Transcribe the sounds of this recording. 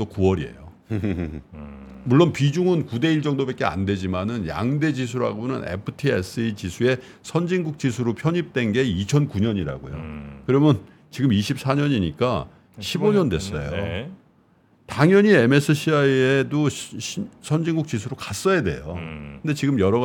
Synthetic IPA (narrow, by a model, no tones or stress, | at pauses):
t͈okuʌɾie̞̰jo̰ | muɭːonpid͡ʑuŋɯnkude̞iɭt͡ɕʌŋdobek͈ea̰nde̞d͡ʑimanɯnja̰ŋde̞d͡ʑis̬ʰuɾa̰ɡonɯ̰ne̞̰pʰɯtʰies͈ɯit͡ɕisʰue̞ | sʰʌnd͡ʑiŋɡuk̚t͡ɕ͈is̬ʰuɾopʰjʌɲip̚t͈we̞nɡe̞it͡ɕʰʌnkuɲʌɲiɾa̰ɡo̰jo̰kɯɾʌmjʌn | t͡ɕiɡɯmiɕʰip̚s͈ʰaɲʌɲiɲik͈a̰ | ɕʰiboɲʌndwe̞s͈ʌ̰jo̰ | taŋjʌɲieme̞sʰɯɕʰiaiedoɕʰisʰʌnd͡ʑiŋɡuk̚t͡ɕ͈isʰuɾokas͈ʌjade̞̰jo̰kɯnde̞t͡ɕiɡɯmjʌɾʌɣ